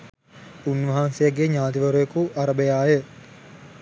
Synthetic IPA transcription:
unʋɐɦansejaɡeɲaːt̪iʋəɾujekuʔaɾəbəjaːjə

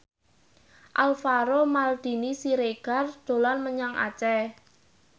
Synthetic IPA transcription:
ʔalfaɾomald̪̥i̤nisiɾeɡ̥ard̪̥o̤lanməɲaŋa̰t͡ʃɛ

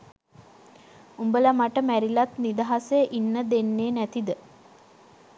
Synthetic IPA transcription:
umbələmaʈəmæɾilat̪nid̪aɦaseəʔinːəd̪enːeːnæt̪id̪ə

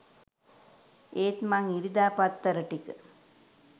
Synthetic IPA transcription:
eːt̪maŋiɾid̪aːpat̪ːɐɾəʈikə

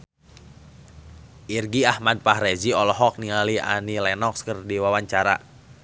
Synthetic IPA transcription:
ʔirɡiahmad̚paɦɾɛziɔlɔɦɔk̚nialia̰nilɛnɔkskərdiwawaɲt͡ʃaɾa

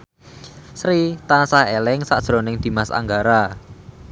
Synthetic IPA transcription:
sɾit̪ansahelɪŋsa̰ʔd̥ʒ̥ɾonɪŋd̪̥i̤masa̰ŋɡaɾa

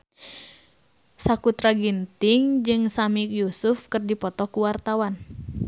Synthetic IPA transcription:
sakut̪ɾaɡint̪ɪŋd͡ʒɨŋsamik̚jusufkɨrdipɔt̪ɔkuwart̪awan

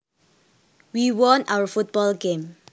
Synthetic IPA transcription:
wiwɔ̃nawəfut̚bɔlɡẽm

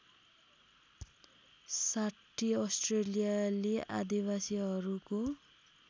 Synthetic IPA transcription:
saʈʰːiʌsʈrelijaleʔa̰d̪iwasiɦʌɾuko

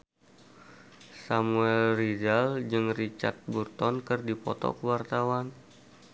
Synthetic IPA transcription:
samuɛlridald͡ʒɨŋrit͡ʃa̰rt̪̚burt̪ɔnkɨrdipɔ̰t̪ɔ̰kəwart̪awan

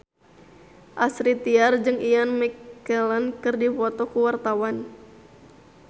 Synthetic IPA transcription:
ʔasɾit̪iard͡ʒɨŋianmikɛlankɨrdifɔt̪ɔkuwart̪awan

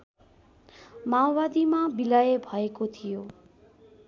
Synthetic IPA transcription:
mãwʋad̪imãbilajebʱaekot̪ʰijoː

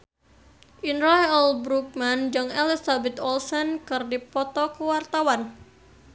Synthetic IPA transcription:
ʔinɾajɛlbɾuk̚mand͡ʒɨŋelisabɛt̪ɔlsɔnkɨrdipɔt̪ɔkəwart̪awan

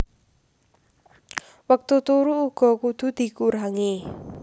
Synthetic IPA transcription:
wək̚t̪ut̪uɾuuɡ̥ɔ̤kud̪̥ṳd̪̥i̤kuɾaŋe

